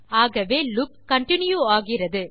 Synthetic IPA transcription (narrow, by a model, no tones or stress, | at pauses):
aːɣɐʋeːlʊp̚kɐɳʈɪnjuaːɣɪrɐðɯ